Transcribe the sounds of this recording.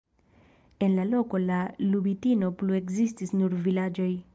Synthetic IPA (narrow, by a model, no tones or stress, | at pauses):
e̞nlalo̞ko̞lalubitino̞plue̞kzistisnuɾvilad͡ʒo̞j